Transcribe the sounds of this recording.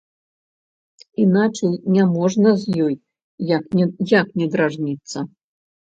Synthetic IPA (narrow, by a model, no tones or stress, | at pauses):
inat͡ʂɐjnʲamɔʐnɐzʲjɔj | jaknʲɛd̪ɾaʐnʲit̪sːɐ